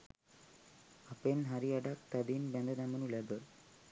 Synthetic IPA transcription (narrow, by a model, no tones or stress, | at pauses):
apenɦaɾiaɖak̚t̪ad̪inbɛnd̪əd̪amənulɛɡə